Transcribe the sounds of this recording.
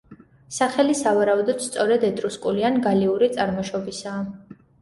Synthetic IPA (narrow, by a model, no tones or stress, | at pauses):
saχɛlisavaɾaud̪ɔd̪̥st̪sʼɔɾɛd̪ɛt̪ʼɾuskʼulianɡaliuɾit̪sʼaɾmɔʃɔbisaː